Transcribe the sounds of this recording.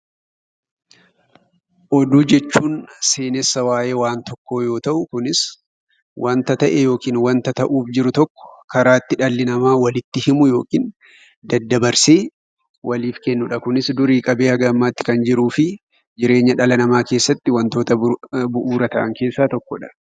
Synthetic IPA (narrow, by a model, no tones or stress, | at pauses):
ʔɔd̪uːd͡ʒɛt͡ʃːuːnse̞ːnɛsːɐwaːje̞ːwaːnt̪ɔkːo̞ːjo̞ːt̪ɐʔʊkʊnɪs | wʔɐnt̪ɐt̪ɐʔɛjo̞ːkiːnwɐnt̪ɐt̪ɐʔuːfd͡ʒɪɾʊt̪ɔkːɔ̥kɐɾaːt̪ːɪᶑɐlːɪnɐmaːwɐlɪt̪ːɪhɪmʊjo̞ːkiːn | d̪ɐd̪ːɐbɐɾseː | wʔɐliːfkɛnːʊᶑɐkʊnɪsd̪ʊɾiːkʼɐbe̞ːɐɡɐmːaːt̪ːɪ̥kɐnd͡ʒɪɾuːfɪ | d͡ʒɪɾe̞ːɲːɐᶑɐlɐnɐmaːke̞ːsːɐt̪ːɪwɐnt̪oːt̪ɐbʊʔuːɾɐt̪ɐʔɐŋke̞ːsːaːt̪ɔkːɔᶑɐ̥